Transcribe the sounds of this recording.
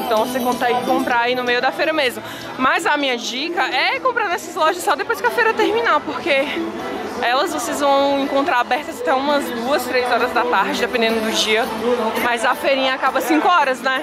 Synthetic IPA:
t̪ɐ̃w̃vosekõt̪aiɪkõmpɾaainʊmejʊd̪afejɾɐmezmʊ | mɐzɐmĩɲɐd͡ʒikɐʔɛkõmpɾaɾnɛsɐzlɔʒɐsɔd̪epojskɪɐfejɾɐt̪eɾmĩnapoɾke | ɛlɐzvosezvɐ̃w̃ẽŋkõnt̪ɾaɾabɛɾt̪ɐzat̪ɛũmɐzd̪uɐst̪ɾejzɔɾɐzd̪at̪aɾd͡ʒɪd̪epẽd̪ẽnd̪ʊd̪ʊd͡ʒiɐmajzɐfeɾĩɲɐakabɐsĩkʊɔɾɐznɛ

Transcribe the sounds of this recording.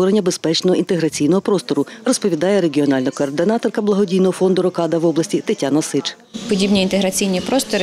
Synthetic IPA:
ɔɾenʲːɐbespɛt͡ʃnɔɦɔint̪eɦɾɐt͡sʲijnɔɦɔpɾɔst̪ɔɾʊrɔspɔʋʲid̪ɑjɛɾe̞ɡʲiɔnɑlʲnɐkɔːrd̪ɪnɑt̪ɔrkɐblˠɐɦɔdʲijnɔɦɔfɔnd̪ʊɾɔkɑd̪ɐʋɔblˠɐsʲtʲit̪etʲanɐsɪt͡ʃ | pɔdʲibnʲiint̪eɦɾɐt͡sʲijnʲipɾɔst̪ɔɾɪ

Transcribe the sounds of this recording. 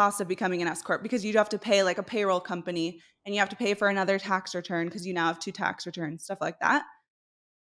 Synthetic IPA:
ɑsʌvbɨkʰʌmɪ̃ŋɨ̃ɾ̃ɛskʰɔɹt̚b̥ɨkʰʌzjɨd͡ʒɨhæftɨpʰeɪlaɪkɨpʰeɪɹoʊlˠkʰʌ̃mpɨni | ɨ̃njɨhæftɨ̥pʰeɪfə˞ɨnʌðə˞tʰæksɹɨtʰɜ̃˞nkʰʌzjɨnaʊəv̥tʰʉtʰæ̰ksɹɨtʰɜ̃˞nz̥stʌflaɪk̚ðæ̰t̚

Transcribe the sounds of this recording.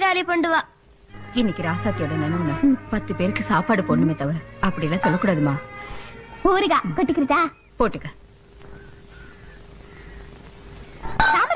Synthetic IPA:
ɾaːlipɔɳɖɯʋãː | ɪnːɪkːiɾaːsaːt̪ːɪjoːɽɐnɐnɐɐnːɐpɐt̪ːɯpeːɾɯkːɯsaːpaːɽɯpoːnːɯmeːt̪ɐʋɐɾɐpːɐɽɪjlːãːsɔlːɐkːuːɽaːðɯmaː | poːɾɯɡaːkɐʈːɯkːɪɾɐt͡ʃːaː | poːʈːɯkːɐ | saː

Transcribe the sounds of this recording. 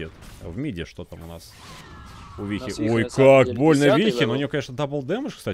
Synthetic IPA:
et̪vmʲidʲɪʂt̪ot̪amʊna̰s | ʊvʲixʲɪʔojkakbo̞lʲnəvʲixʲɪnoʊnʲɪjokɐnʲeʂnəd̪apəlˠd̪ɛməʂkst̪a

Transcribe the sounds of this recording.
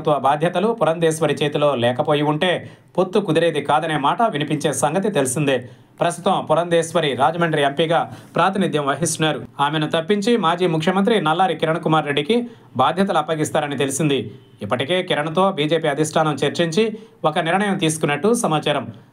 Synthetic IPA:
t̪ʋɐbaːd̪ʱjɐt̪ɐlupuɾɐnd̪eːsʋɐɾit͡ʃe̞ːt̪ulo̞ːlɛːkɐpo̞ːjiuɳʈe̞ː | po̞t̪ːukud̪iɾe̞ːd̪ikaːd̪ɐne̞ːmaːʈɐʋinipiɲt͡ʃe̞ːsɐŋɡɐt̪it̪e̞lisind̪eː | pɾɐst̪ut̪ɐmpuɾɐnd̪eːsʋɐɾiɾaːd͡ʒɐmɐɳʈɾiempiɡaːpɾaːt̪inid̪ʱjɐmʋɐɦist̪unaːɾuaːmenut̪ɐpːiɲt͡ʃimaːd͡ʒiːmukʰjɐmɐnt̪̬ɾinɐlːaːɾikiɾɐɳɐkumaːɾːe̞ɖːiki | baːd̪ʱjɐt̪ɐluɐpːɐɡist̪aːɾɐnit̪e̞lisind̪iː | pːɐʈike̞ːkiɾɐɳɐt̪o̞ːbiːd͡ʒe̞ːpiːɐd̪ʱiʂʈʰaːnɐmt͡ʃeɾt͡ʃiɲt͡ʃiɔkɐniɾɳɐjɐmt̪iːsu̥kunːɐʈːusɐmaːt͡ʃaːɾɐm

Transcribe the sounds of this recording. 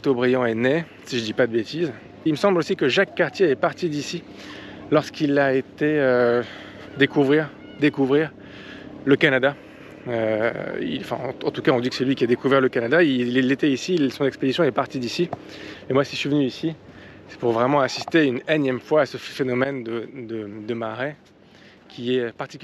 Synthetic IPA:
t̪obʁijɑ̃ɛne | siʒəd̪ipad̪əbet̪ʰiz | ilməsɑ̃blosikəʒakːaʁt̪jeɛpaʁt̪id̪isi | lɔʁskilaet̪eø | d̪ekuvʁiːʁ | d̪ekuvʁiːʁ | ləkanad̪a | øḭ̃fɛ̰̃ɑ̃t̪ukaɔ̃d̪ikə̥sɛlɥikʲiad̪ekuvɛʁləkanad̪ailelet̪eisilsɔ̃nɛksped̪isjɔ̃ɛpaʁt̪id̪isiemwasisɥivənyisi | sɛ̥puʁvʁɛmɑ̃asist̪eynɛnjɛmfwaːsəfenɔmɛnd̪əd̪əd̪əmaʁɛ | kʲiɛøpaʁt̪ik

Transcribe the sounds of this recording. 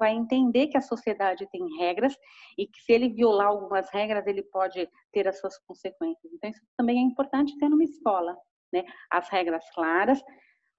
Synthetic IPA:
vajẽnt̪ẽnd̪eɾkɪɐsosied̪ad͡ʒɪt̪ẽj̃ɦɛɡɾɐs | ɪkɪ̥sɪelɪviolaawɡũmɐshɛɡɾɐzelɪpɔd͡ʒɪ | t̪eɾɐsuɐskõsekwẽsjɐzẽnt̪ɐ̃w̃isʊt̪ɐ̃mbẽj̃ɛĩpoɾt̪ɐ̃t͡ʃɪ̥t̪eɾnũmɐiskɔlɐ | nɛɐ̰shɛɡɾɐsklaɾɐs

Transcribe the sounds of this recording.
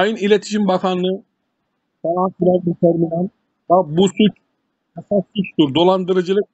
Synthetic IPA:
ajɯnilʲet̪ʰi̥ʃimbakʰanɯ | falˠanfiɾanit̪ʰɛɾminɛn | babusut͡ʃ | ɛsasːut͡ʃt̪uɾd̪o̞lˠand̪ɯɾɯd͡ʒɯlˠɯk̚

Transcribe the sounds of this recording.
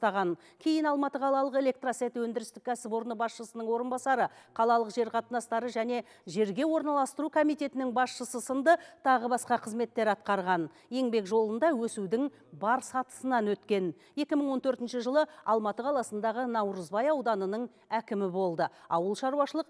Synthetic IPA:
t̪ɑʁɑn | kʲʰe̞jɪnɑlˠmɑt̪əqʰɑlˠɑlˠəqe̞lʲe̞k̚t̪rose̞t̪wɵnd̪ɪɾɪst̪ɪk̚ʲkʰʲæsɪpo̞ɾənəbɑsʃəsənəɴwo̞ɾənbɑsɑɾəqʰɑlˠɑlˠəqʒe̞ɾqʰɑt̪ənɑst̪ɑɾəʒæne̞ | ʒe̞ɾɡʲe̞wo̞ɾnɑlˠɑst̪əɾukʰo̞mijt̪e̞t̪ɪnɪŋbɑsʃəsəsənd̪ət̪ʰɑʁəbɑsqɑqʰəzme̞t̪ːe̞ɾɑt̪̚qɑɾʁɑn | je̞ŋbe̞kʒo̞lˠənd̪ɑwɵsud̪ɪŋ | bɑɾsɑt̪ə̥sənɑnwɵt̪kʲe̞n | je̞kʲɪmɪɴwo̞nt̪ʰɵɾt̪ɪnʃɪʒəlˠəɑlˠmɑt̪əqʰɑlˠɑsənd̪ɑʁənɑwɾəzbɑjɑwd̪ɑnənəɴ | ækʲɪmɪbo̞lˠd̪əɑwəlˠʃɑɾuwɑʃəlˠəq

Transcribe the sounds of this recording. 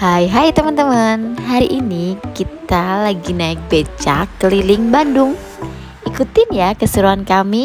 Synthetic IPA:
hajɦajt̪əmənt̪əmənɦaɾiʔinikit̪alaɡinaɪk̚bet͡ʃa̰kəlilɪŋbandʊŋ | ʔikut̪ɪnjakəsuɾuɦankami

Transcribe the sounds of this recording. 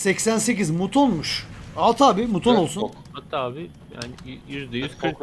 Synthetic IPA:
sɛcsænse̞cizmut̪ʰonˠmuʃalˠt̪ʰaːbimut̪ʰonolˠsun | hat̪ʰːaaːbɪ | ja̰nɪiɾd̪ejyzkʰɯk

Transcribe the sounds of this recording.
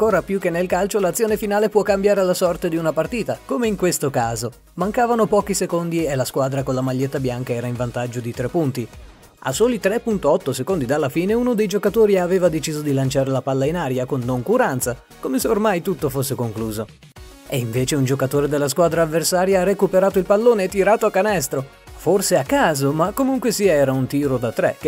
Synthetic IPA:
aŋkoːɾapjukːenːelkalt͡ʃolat̪sːjoːnefinaːlepwɔkːambjaːɾelasɔrt̪ed̪iunapart̪iːt̪akomeiŋkwest̪okaːzo | maŋkaːvanopɔːkisekond̪ielaskwaːd̪ɾakonlamaʎːet̪ːabjaŋkaɛːɾaiɱvant̪ad͡ʒːod̪it̪ɾepːunt̪i | a̰sːoːlit̪ɾepːunt̪oɔt̪ːosekond̪id̪alːafiːneunod̪ejd͡ʒokat̪oːɾiaveːvad̪et͡ʃiːzod̪ilant͡ʃaːɾelapalːainaːɾjakonːoŋkuɾant̪sa | komeseormajt̪ut̪ːofosːekoŋkluːzo | eiɱveːt͡ʃeund͡ʒokat̪oːɾed̪elːaskwaːd̪ɾaːvːersaːɾjaarekupeɾaːt̪oilpalːoːneːt̪ːiɾaːt̪oakːanɛst̪ɾo | forseakːaːzomakːomuŋkwesiaɛːɾaunt̪iːɾod̪at̪ːɾɛ̰kː

